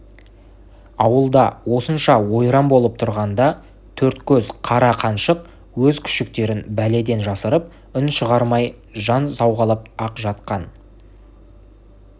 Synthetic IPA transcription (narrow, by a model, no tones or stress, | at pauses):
ɑwəlˠd̪ɑwo̞sənʃɑwo̞jɾɑmbo̞lˠəp̚t̪ʰʊɾʁɑnd̪ɑ | t̪ʰɵɾt̪kʲʰɵzqʰɑɾɑqʰɑnʃəq̚ | wɵzkʲʰʏ̥ʃɪk̚t̪e̞ɾɪnbæle̞d̪e̞nʒɑsəɾəp̚ | ʏnʃəʁɑɾmɑj | ʒɑnsɑwʁɑlˠəp̚ɑqʒɑt̪̚qɑn